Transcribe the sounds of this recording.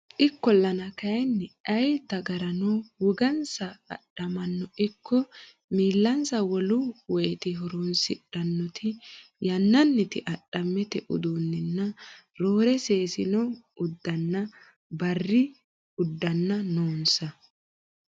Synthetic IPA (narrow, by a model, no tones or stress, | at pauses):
ʔɪkːɔlːɐnɐkɐjɛnːɛɐjd̪ɐɡɐɾɐnɔwʊɡɐnsɐ̰ːɗːɐmɐnːɔʔɪkːɔ | miːlːɐnsɐwɔlʊwɔjɛt̪ɪɦɔɾunsɪᶑɐnːɔt̪ʰɪjɐnːɐnːɪt̪ɪʔɐɗːɐmːɛt̪ɛʔʊ̰d̪unːɪnːɐɾoːɾɛseːsɪnɔ | ʊd̪ːɐnːɐ | bɐrːɪ | ʊd̪ːɐnːɐnoːnsɐ